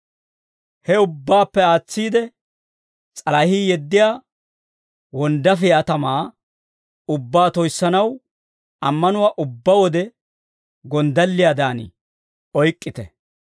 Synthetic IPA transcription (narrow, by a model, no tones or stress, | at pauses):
hɛʊbːaːpːɛaːt͡sːiːd̪ɛ | t͡sʼɐlɐhiːjɛd̪ːɪjaː | wɔnd̪ɐfɪɐt̪ɐmaː | ʊbːaːt̪ɔjsːɐnɐw | ɐmːɐnʊwaːʔʊbːɐwɔd̪ɛ | ɡɔnd̪ɐlːɪjaːd̪aːn̰ | ɔjkʼːɪt̪ɛ